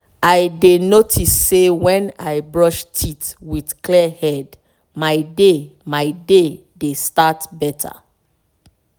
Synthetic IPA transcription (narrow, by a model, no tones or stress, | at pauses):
ajdenotʰisːewɛ̃na̰jbɹɔʃtʰitwidklɛhɛd | maɪdemaɪde | destatbɛtʰa̰